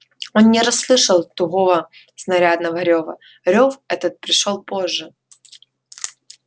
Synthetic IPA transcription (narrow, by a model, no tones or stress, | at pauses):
o̞nnʲɪɾɐsːlˠɨʂəlˠt̪ʊɣovə | snɐɾʲad̪nəvəɾʲovə̰ | ɾʲofɛt̪ət̪̚pɾʲɪʂolˠpo̞ʐːɨ